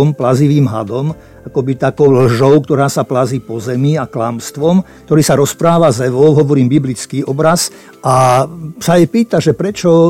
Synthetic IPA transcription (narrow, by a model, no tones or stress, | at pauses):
ɔmplaziʋiːmɦa̰d̪ɔm | akɔbit̪akɔʊlʒɔʊk̚t̪ɔɾaːsaplaziːpɔzɛmiaklamst̪ʋɔmk̚t̪ɔɾiːsaɾɔspɾaːʋazɛʋɔʊɦɔʋɔɾiːmbiblit͡skiːʔɔbɾaz | asaɛpiːt̪aʒɛpɾɛt͡ʃɔ